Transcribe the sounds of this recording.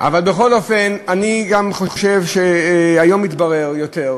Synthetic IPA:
ʔa̰valbeχo̞lo̞fenaniɡamχoʃevʃeajo̞mit̪baʁeʁjo̞te̞ʁ

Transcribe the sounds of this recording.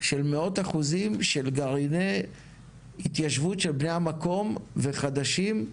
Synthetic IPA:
ʃe̞lmeo̞t̪aχuzimʃe̞lɡaʁine | hit̪jaʃvutʃelbnejamako̞mve̞χad̪aʃim

